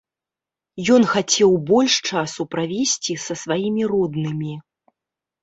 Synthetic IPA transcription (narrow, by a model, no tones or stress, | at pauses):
jɔnxat͡sʲɛwbɔlʲʂt͡ʂasupɾavʲesʲt͡sʲisɐsvajimʲirɔd̪nɨmʲi